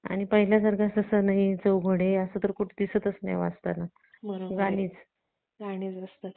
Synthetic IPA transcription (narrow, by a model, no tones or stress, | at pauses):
a̰ɽ̃ipəɦiljasəɾɡasəsənaɦit͡səwɡʱoɽeəsəːt̪əɾkuʈʰːd̪isət̪əsnḛjʋa̰st̪ana | bəɾoɡaɽ̃iːt͡s | ɡaɽ̃it͡səst̪ət̪